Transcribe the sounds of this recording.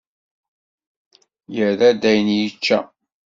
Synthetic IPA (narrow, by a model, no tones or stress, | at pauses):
jəðæd̪æjənjət͡ʃːæ̰